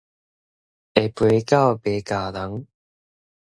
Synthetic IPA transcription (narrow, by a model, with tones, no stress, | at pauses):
ɛ˨˩pe˨˦kaː˥˨wpe˨˦kaː˨˩la˨˦ŋ